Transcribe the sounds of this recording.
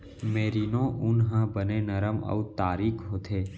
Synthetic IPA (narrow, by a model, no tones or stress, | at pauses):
meːɾiːnõːʔʊnɦə̃bənenəɾəmə̰ut̪aːɾiːkʰɦoːt̪ʰeː